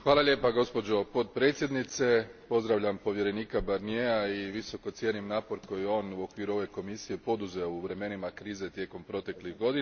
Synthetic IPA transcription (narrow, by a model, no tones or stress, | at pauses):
xʋaːlalʎʲeːpaɡo̞spo̞d͡ʑo̞po̞t̪̚pɾe̞ːt̪sje̞d̪nit̪se̞po̞zd̪ɾaʋʎampo̞ʋje̞ɾe̞niːkabaɾnieaiʋiso̞ko̞t̪sje̞nimnaːpo̞ɾko̞jio̞ːnuo̞kʋiːɾuo̞ʋe̞ko̞misije̞po̞d̪uzeouʋɾe̞me̞nimakɾiːze̞t̪je̞ko̞mpɾo̞t̪e̞kliɣɡo̞d̪i